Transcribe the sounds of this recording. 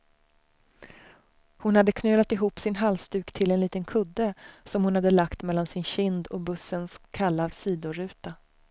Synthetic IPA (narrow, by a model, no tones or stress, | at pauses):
hʊnhad̪ːəkʰnøːlat̪ɪɦuːpːsɪnɦalst̪ʉ̟ːkt̪ʰɪlɛnliːt̪ənkʰɵd̪ːəsɔmhʊnhad̪ːəlakt̪mɛlːansɪnɕɪnd̪ɔ̰bɵsːənskʰalːaːvsiːd̪ʊɾʉ̟ːt̪a